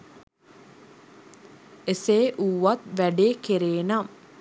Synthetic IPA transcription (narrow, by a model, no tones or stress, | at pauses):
eseːʔuːʋat̪ʋæɖeːkeɾeːnam